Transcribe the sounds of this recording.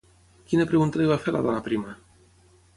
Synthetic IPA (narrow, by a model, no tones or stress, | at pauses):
kinepɾeɣunt̪aiβafeɾla̰ðɔnapɾima